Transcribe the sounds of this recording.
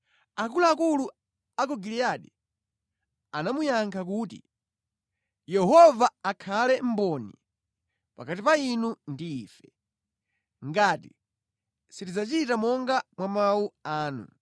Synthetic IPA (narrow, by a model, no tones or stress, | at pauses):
akulaakulu | akɔɡiliaɗi | anamujaŋkʰak̬uːtḭ | jɛɦɔvaːkʰalɛm̩bɔnḭ | pakatipainundiːfɛ | ŋɡaːti | sitid͡zat͡ʃitamɔŋɡamwamauaːnṵ